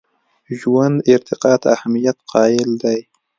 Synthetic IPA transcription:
ʒuwand̪ɪɾt̪ʰɪqɑːt̪a̰hamijat̪qʰɑːɪld̪aj

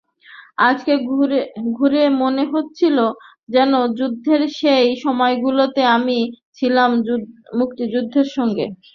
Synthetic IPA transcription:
ad͡ʑke | ɡʱuɾemoneɦot̪ːt͡ɕʰilo | d͡ʑɛnod͡ʑud̪ʱːeɾʃejʃɔmɔeɡulot̪eamit͡ɕʰilammuk̚t̪id͡ʑud̪ʱːeɾʃɔŋɡḛ

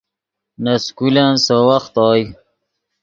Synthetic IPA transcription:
naskulansowaxt̪ɑːj

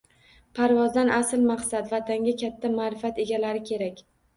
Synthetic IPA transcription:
pʰaɾvɒzd̪anʔasɪlmaqsat̪vat̪ʰaŋɡʲakʲʰat̪ʰːamaːɾɪfat̪e̞ɡʲalaɾɪkʲʰe̞ɾakʲ

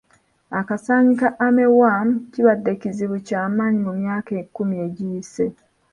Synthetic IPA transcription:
akasaːɲikaʔame̞wamciβadːeciziβucaːmaːɲimumjaːke̞ːkːumieɟiːse

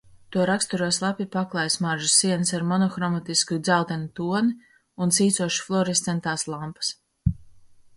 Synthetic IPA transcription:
t̪uɔɾakst̪uɾuɔslˠapʲipaklˠajsmaɾʒusːiɛnsaɾmɔnɔxɾɔmat̪iskud̪zalˠt̪ɛnit̪uɔni | unsiːt̪suɔʃi̥flˠɔɾist̪sɛnt̪aːslˠampḁs

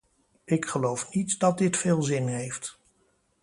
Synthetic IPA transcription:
ɪkχəlowfnitdɑt̚dɪtfɪːlˠzɪnɦejft

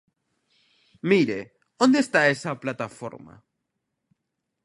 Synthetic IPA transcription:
miɾe̞ | ond̪est̪aesaplat̪afo̰ɾma̰

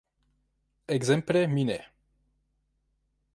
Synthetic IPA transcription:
ɛɡzɛmplɛminɛ̰

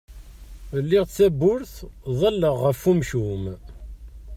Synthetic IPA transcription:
lːɪʁt͡sːæbʊɾθðˤɑlːəʁːəfːumʃum

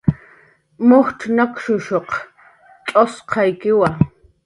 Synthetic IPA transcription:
mʊhʈ͡ʂʰnakʃʊʃoq | tʼosqʰɑjkɪwa

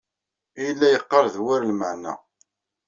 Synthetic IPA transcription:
ijəlːæjəqːɑɾˤðwaɾlməʕnæ̰

